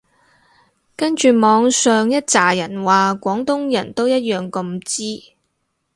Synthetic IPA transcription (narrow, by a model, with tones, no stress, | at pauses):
kɐ˥nt͡ʃyː˨mɔː˨˧ŋsœː˨ŋjɐ˥t̚t͡saː˨˩jɐ˨˩nwaː˨kʷɔː˨˥ŋt̪ʊ˥ŋjɐ˨˩nt̪o˥wjɐ˥t̚jœː˨ŋkɐ˧mt͡siː˥